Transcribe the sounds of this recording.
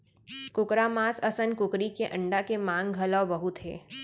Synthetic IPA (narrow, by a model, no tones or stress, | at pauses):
kʊkɾamaːsəsənkʊkɾikeʔə̃ɳɖakemãŋɡɡʱəlawbəɦut̪ɦḛː